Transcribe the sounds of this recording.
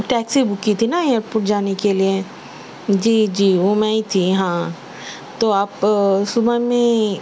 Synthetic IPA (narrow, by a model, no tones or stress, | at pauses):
ʈɛːksibʊkːit̪ʰinajəɾpʊʈd͡ʒaːnekelie | d͡ʒiːd͡ʒiːʋomɛ̃it̪ʰiɦãː | t̪oaːpsʊbəmẽ